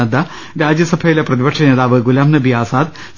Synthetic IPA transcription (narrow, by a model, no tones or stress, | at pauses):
ɐd̪ɐ | ɾaːd͡ʑjɐsɐbʱɐjileprɐðibɐkʂɐneːðaːʋɨɡulaːmnɨbʱijaːsaːd̪